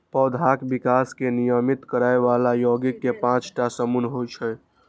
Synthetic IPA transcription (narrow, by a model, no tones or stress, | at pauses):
pəd̪ʱakbikaskenijəmit̪kəɾaeβalajoɡikːepãt͡ʃʈasəmunɦot͡ʃʰɛ